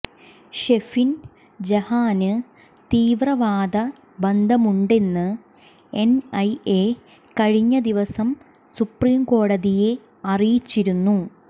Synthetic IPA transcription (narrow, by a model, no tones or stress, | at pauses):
ɕe̞fin | d͡ʑɐhaːnɨ | t̪iːʋrɐʋaːd̪ɐ | bɐnd̪ʱɐmuɳɖe̞nːɨ | enɐje | kɐɻiɲːɐd̪iʋɐsɐm | supriːmko̞ːɽɐðije̞ | ɐrijit͡ɕːiɾunːu